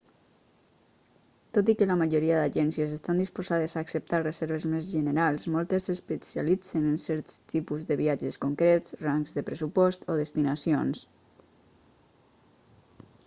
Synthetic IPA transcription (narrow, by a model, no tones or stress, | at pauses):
t̪ot̪̬ikələmaʒoɾiaðaʒɛnsjəzest̪and̪ispozað̞əzaːksəp̚t̪arəzɛɾβ̞əzmezʒənəɾalˠzmɔlˠt̪esespesjalit͡sənənsɛɾt̪st̪ipuzðəβiad͡ʒəskoŋkɾett͡sraŋkzðəpɾəsupɔst̪oðəst̪inasions